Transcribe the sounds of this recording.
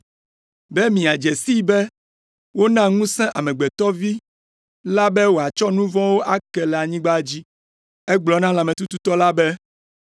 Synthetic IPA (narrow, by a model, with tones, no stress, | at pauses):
bɛ˦mĩ˨a˨d͡ʒɛ˨si˦bɛ˦ | wo˦nã˦ŋũ˦sɛ̃˦ʔa˨mɛ̃˨ɡ͡bɛ˨t̪ɔ˦vi˦ | la˦bɛ˦wo˨a˨t͡ʃɔ˦nũ˦vɔ̃˦wo˦ʔa˦kɛ˨lɛ˨a˨ɲĩ˦ɡ͡ba˦d͡ʑi˦ | ɛ˦ɡ͡blɔ˨nã˦la˨mɛ̃˨t̪u˦t̪u˦t̪ɔ˦la˦bɛ˦